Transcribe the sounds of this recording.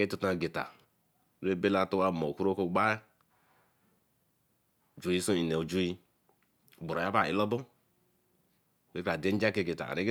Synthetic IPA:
ɡe˦tu˦ta˨ɡe˨ta̰˨˦ | ɾe˦be˦la˦˨˦tu˦wa˦˨mo˨ku˦ɾo˦ko˦ɡ͡ba˦ja˦˨ | d͡ʒu˨ji˦so˦i˨ne˨d͡ʒu˦ji˦˨ | bu˨ɾa˨ja˦a˨ḭ˦lɔ˦bo˦˨ | we˦ka˨de˦n˦d͡ʒa˦ke˦˨ɡe˨ta̰˨a̰˨ɾe˦ɡ

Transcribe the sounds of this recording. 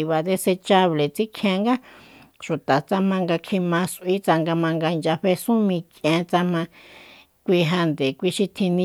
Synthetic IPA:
βa˨ðe˧se˧t͡ʃa˧βle˨t͡si˦kʰjẽ˧ŋɡa˦ʃu˨t̪a˨t͡sa˧mã˧ŋɡa˧kʰi˧mã˧sʔi˦t͡sa˧ŋɡa˧mã˧ŋɡa˧i˧nd͡ʒa˧ɸe˧sũ˦mĩ˧kẽ˧t͡sa˧mã˧ | kʷi˧ɦa˧nd̪e˨kʷi˧ʃi˧t̪ʰĩ˧nĩ˧

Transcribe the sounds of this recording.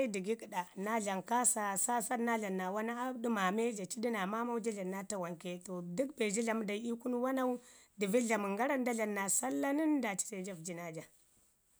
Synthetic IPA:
di˨ɡi˦ki˨ɗa˨na˦ɮa˨ŋka˦sa˨sa˦sa˦dna˦ɮa˨nːa˨wa˦na˦a˦di˦ma˨me˦ɮa˨t͡ʃi˦di˦na˨ma˦ma˦u˦d͡ʒa˦ɮa˨nːa˦ta˦wa˨ŋke˨to˨du˦kbe˨d͡ʒi˦ɮa˨m˦da˨˦i˦ku˦n˦wa˦na˦u˦di˨vi˦ɮa˨mu˨ŋɡa˦ɾa˦n˦da˦ɮa˨nːa˨sa˦lːa˦ni˦nda˨t͡ʃi̥˦te˨d͡ʒa˦vd͡ʒi˨na˦d͡ʒa˨

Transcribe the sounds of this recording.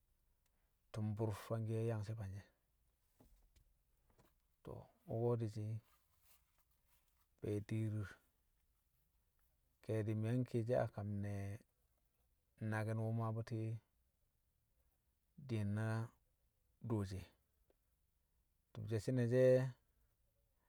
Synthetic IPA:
tu˨mbu˦ɾfa˦ŋɡe˦ja˦ŋse˦ba˨ɲe˦ | to̰˨u˦ɡo˦di˨t͡ʃi˦ | be˨di˦ɾi˦ɾ | ke˨di˨m˨a˦ŋki˦˨d͡ʒe˦a̰˨ka˨mne˨ | na˨ɡi˦nwu˦ma˦bu˦ti˦ | di˨nːa˦ | do˨d͡ʒe˨ | tu˨bd͡ʒe˨si˦ne˨d͡ʒe˦

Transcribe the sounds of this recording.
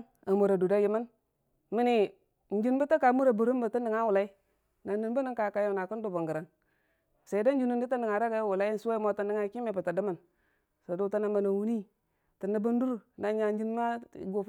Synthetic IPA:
a˨mu˨ɾa˨du˨da˦ji˨mə˦n | mi˦ni˨ | n̩˦d͡ʒi˦nbə˦ta˦ka˨˦mu˦ɾa˨bu˨ɾu˦m˦bə˨ti˦ndi˨ŋa˦wu˨la˦i˦ | na˨ndi˨nbə˦ni˦ŋka˨ka˨jo˦˨na˨kə˦ndu˨bu˨ŋɡə˨ɾa˨ŋ | sa˨i˨da˦n̩˦d͡ʒi˦nu˦i˦ti˦ndi˨ŋa˨ɾa˦ɡa˦wu˨la˦i˦n˨su˦a˦mo˦ta˦ndi˦ŋa˦ki˦me˨bə˨ta˨di˦mə˨n | sa˨du˦ta˦na˦ma˨na˨wu˦ni˦ | ti˨nːa˨bu˦n˦du˦ɾna˨˦ɲa˨˦d͡ʒi˦nma˦˨˦ɡo˦˨˦

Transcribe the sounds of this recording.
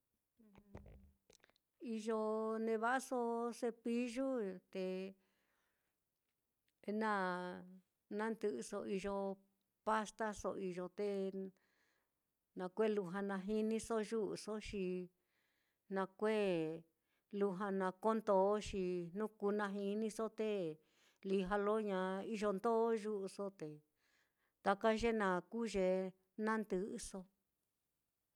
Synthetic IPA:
i˧ʒo˧nẽ˧βa˦ʔso˧se˧pi˦ʒu˦t̪e˧ | nã˦ | nã˦nd̪ɨ˧ʔso˧i˧ʒo˧ | pa˦st̪a˦so˧i˧ʒo˧t̪e˧ | nã˧kʷe˦˨lu˧ɦã˧nã˧ɦi˦nĩ˧so˦ʒu˦ʔso˦ʃi˧ | nã˧kʷe˦ | lu˧ɦa˧nã˧ko˦nd̪o˨˦ʃi˧nũ˦kuː˧˦nã˧ɦi˧nĩ˦so˦t̪e˦ | li˧ɦa˧lo˦ɲã˧i˦ʒo˧nd̪o˦ʒu˦ʔso˦t̪e˨ | t̪a˧ka˦ʒe˦nã˧kuː˦ʒe˧ | nã˦nd̪ɨ˧ʔɨ˧so˧

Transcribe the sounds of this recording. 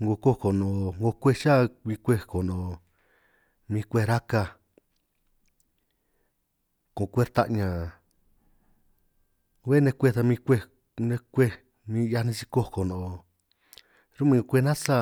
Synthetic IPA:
ŋɡo˧ko˦ko˨nõ˨ŋɡo˧kʷe˦ʃa˦mĩ˧kʷe˧ko˨nõ˨ | mĩ˧kʷe˦˧ɾa˦ka˧ | kõ˨˧kʷe˦ɾt̪a̰˦ʔɲã˨ | we˦nẽ˧kʷe˦˧ða˧mĩ˧kʷe˧ | nẽ˧kʷe˦˧ | mĩ˧ja˧nĩ˧t͡ʃi˧ko˦˧ko˨nõ˨ | ɾu˦mĩ˧ŋo˧kʷe˧nã˦sa˦

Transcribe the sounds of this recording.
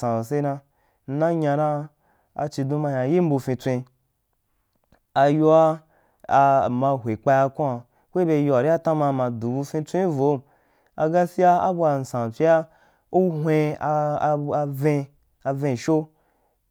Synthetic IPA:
ã˨se˦nã˧ | n̩˦nã˦ɲã˧nã˦ | a̰˧t͡ʃi˧dũ˧ma˧ɲã˨ji˦m̩˦bu˧fĩ˧t͡sʷẽ˧ | a˧jo˧a˦˧ | mã˧ɦʷe˨k͡pa˧ja˧kũ˦a˨ | kʷe˦be˧˦jo˧a˨ɾi˦a˦tã˦mã˧mã˧du˨bu˧fĩ˧t͡sʷẽ˦i˦vo˨˦˨ | a̰˧ɡa˦si˦a˦a˦bu˧a˨n̩˨sã˨fi˦a˦ | u˦ɦʷẽ˧ | vẽ˧ | a˧vẽ˧˨ʃo˦

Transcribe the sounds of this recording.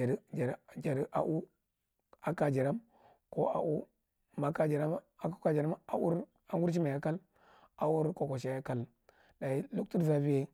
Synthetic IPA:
ɾd͡ʒa˨ɾd͡ʒa˨ɾi˨˦ʔa̰˨ʔu˦ | a˨ka˨d͡ʒa˨ɾa˦m | ko˦a̰˨ʔu˦ | ma˨ka˦d͡ʒa˨ɾa˦m | a˨ko˦ka˨d͡ʒa˨ɾa˦ma˨u˦ɾ | a˨wu˦ɾt͡ʃ̬i˦ma˨ja˦ka˦l | a˨u˦ɾko˨ko˨ʃa˦ja˦ka˦l | da˨i˦lu˦ktu˦ɾza˦vi˦je˦

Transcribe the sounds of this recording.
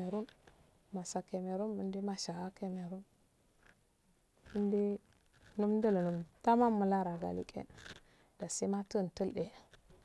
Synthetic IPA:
e˨ɾu˦n | ma˨sa˨ke˨me˨ɾu˦nmu˨ndi˦ma˨ʃa˨ɡa˦ke˦me˨ɾu˦n | mə˦ndi˦ | nu˦m˦də˦lnu˨mta˦ma˦mːu˨la˦ɾa˨ɡa̰˨lḭ˦˨kʼḛ˦n | da˨si˦ma˦tə˦n˨tə˦lɗe˨

